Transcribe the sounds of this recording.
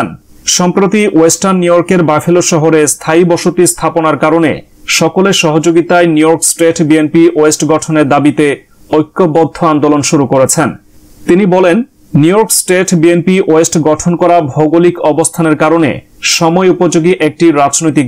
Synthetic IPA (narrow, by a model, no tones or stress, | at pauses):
n | ʃɔmpɾot̪iʔesʈaɾnːujoɾkeɾbafʰiloʃɔɦoɾest̪ʰaibɔʃot̪ist̪ʰaponaɾkaɾonḛ | ʃɔkoleʃɔɦod͡ʑoɡit̪aenijoɾksʈeʈbienpiʔoesʈɡɔʈʰoneɾd̪abit̪e | ojkːobɔd̪ʱːoand̪olonʃuɾukoɾet͡ɕʰen | t̪inibɔlenː | ujoɾksʈeʈbienpiʔoesʈɡɔʈʰonkɔɾabʱɔɡolikɔbost̪ʰaneɾkaɾonḛ | ʃɔmɔeupod͡ʑoɡiʔek̚ʈiɾad͡ʑnojt̪̬ik